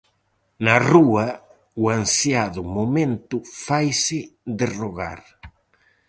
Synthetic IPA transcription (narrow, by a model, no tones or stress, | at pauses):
naruɐ | uansjaðʊmomẽnt̪ʊfajsɪd̪ɪroɣa̰ɾ